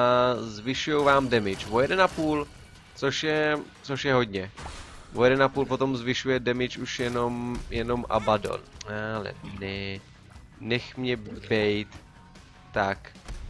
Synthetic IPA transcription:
azvɪʃujowvaːmdɛmɪt͡ʃvojɛdɛnapuːl | t͡soʃjɛt͡soʃjɛɦo̞dɲɛvojɛdɛnapuːlpo̞t̪o̞mzvɪʃujɛdɛmɪt͡ʃuʃjɛno̞mjɛno̞mʔa̰bado̰nalɛ̰nɛ | nɛxmɲɛbɛjt̪ː | ak

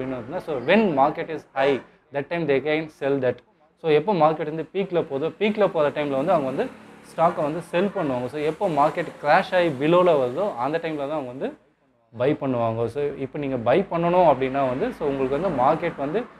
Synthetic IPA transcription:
ɐpɐɽɪnːɐɯnːaːsoːʋɛnmaːɾkɛʈɪshɐɪ | d̪ɐʈːɐ̃ɪmd̪eːkɛnsɛld̪ɐʈ | soːɛpːoːmaːɾkeʈːʋɐnd̪ɯpiːklɐpoːðoːpiːklɐpoːðɐʈɐɪmlɐʋɐnd̪ɯɐʋɐŋɡɐʋɐnd̪ɯsʈaːkɐʋɐnd̪ɯsɛlpɐɳːɯʋaːŋɡɐsoːɛpːoːmaːɾkɛʈklaːʃɐːibɪloːlɐʋɐɾɯðoːʔɐnd̪ɐʈːɐɪmlɐt̪ãːɐɡɐʋɐnd̪ɯ | bɐɪpɐɳːɯʋaːŋɡɐsoːɪpːoniːŋɡɐbɐɪpɐɳːɐɳʊ̃ɐpːɐɽɪnːaːʋɐnd̪ɯsoːʊŋɡɐɭɯkːʋɐnd̪ɯmaːɾkeʈʋɐnd̪ɯ

